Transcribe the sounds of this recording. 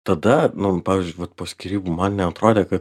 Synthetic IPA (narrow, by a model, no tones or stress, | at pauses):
t̪ɐd̪ɐnʊpɑːʋʲizʲd͡ʒʲʊɪʋɐt̪̚poːsʲkʲiɾʲiːbumɐnnʲɛɐt̪ɾoːd̪ʲeːkɐt̪